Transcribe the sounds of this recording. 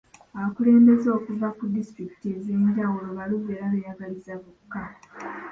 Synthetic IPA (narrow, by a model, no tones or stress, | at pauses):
aβakule̞ːmbe̞zo̞ːkuvakudistɾiki̥tie̞zeːɲɟawulo̞βaliβeːɾaβejaɡalizaβukːa